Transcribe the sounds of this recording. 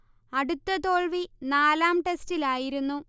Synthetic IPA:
ɐɽut̪ːɐt̪o̞ːɭʋinaːlaːmʈe̞stilaːjiɾunːu

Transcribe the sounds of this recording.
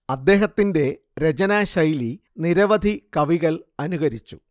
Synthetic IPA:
ɐd̪ːe̞ːɦɐt̪ːinde̞ | ɾe̞d͡ʑɐnaːɕɐjliniɾɐʋɐd̪ʱikɐʋiɣɐlɐnuɣɐɾit͡ɕːu̥̰

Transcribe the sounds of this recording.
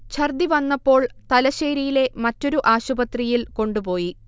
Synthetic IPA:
t͡ɕʰɐrd̪iʋɐnːɐpːo̞ːɭt̪ɐlɐɕeːɾijile̞mɐtːo̞ɾuʔaːɕubɐt̪rijilko̞ɳɖupo̞ːji

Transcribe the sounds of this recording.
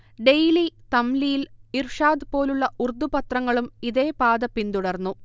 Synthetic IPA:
ɖe̞jlit̪ɐmlijilirʂaːd̪ɨpo̞ːluɭːɐʔurd̪upɐt̪rɐŋːɐɭumiðe̞ːpaːd̪ɐpːind̪uɽɐrnːu

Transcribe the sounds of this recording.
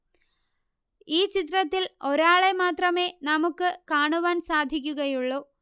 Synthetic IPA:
iːt͡ɕit̪rɐt̪ːilo̞ɾaːɭe̞maːt̪rɐme̞ːnɐmukːɨkaːɳuʋaːnsaːd̪ʱikʲːuɣɐjuɭːoː

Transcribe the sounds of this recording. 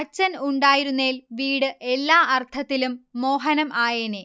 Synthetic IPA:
ɐt͡ɕːɐnuɳɖaːjiɾunːeːlʋiːɽɨʔe̞lːaːʔɐrt̪ʰɐt̪ːilumːo̞ːɦɐnɐmʔaːjeːneː

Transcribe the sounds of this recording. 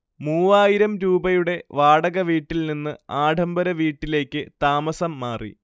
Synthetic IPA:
muːʋaːjiɾɐmɾuːbɐjuɽe̞ʋaːɽɐɣɐʋiːʈːilninːɨaːɖʱɐmbɐɾɐʋiːʈːile̞ːkʲːɨt̪aːmɐsɐmːaːrḭ

